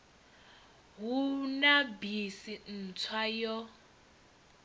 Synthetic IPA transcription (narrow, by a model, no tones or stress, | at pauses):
ɦunabisin̩t͡sʰwajɔ